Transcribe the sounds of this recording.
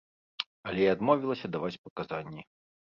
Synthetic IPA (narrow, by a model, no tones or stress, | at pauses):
ɐlʲɛiad̪mɔvʲilˠɐsʲɐd̪avat͡sʲpɐkazanʲːi